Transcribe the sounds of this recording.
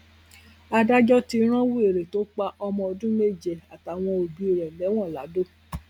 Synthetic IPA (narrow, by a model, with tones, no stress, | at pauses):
a˧da˦d͡ʒɔ˦ti˧˦ɾ̃ã˦wu˦e˨ɾe˨to˨˦k͡pa˧˦ʔɔ˧mɔ̃˧ɔ˧dũ˦me˦˨d͡ʒe˨a˨ta˨˦w̃ɔ̃˧o˨bi˨˦i˨ɾɛ˨lɛ˨˦w̃ɔ̃˦˨la̰˨˦do˦˨